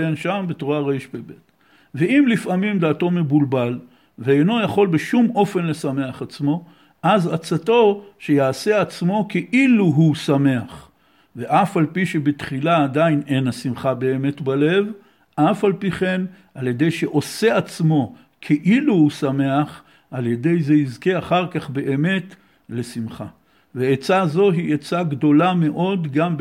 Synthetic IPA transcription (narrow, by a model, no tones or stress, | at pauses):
enʃambetuʁaʁeiʃbebet | ve̞imlifamimd̪aːto̞me̞bulbal | veejno̞jaχo̞lbeʃumo̞fe̞nle̞same̞aχat͡smo̞ | ʔazat͡sato̞ʃe̞jaːse̞at͡smo̞keʔiluɦusame̞aχ | ve̞ʔafalpiʃebet̪χilaːd̪aine̞nasimχabe̞ːme̞t̪bale̞v | ʔafalpiχe̞n | ʔalje̞d̪e̞jʃe̞ʔo̞seat͡smo̞ | kʰeʔiluhusame̞aχ | alje̞d̪e̞jzeizke̞aχaʁkaχbe̞ʔeme̞t | le̞simχa | veet͡sazo̞ɦiʔet͡saɡd̪o̞lame̞ʔo̞d̪ɡamb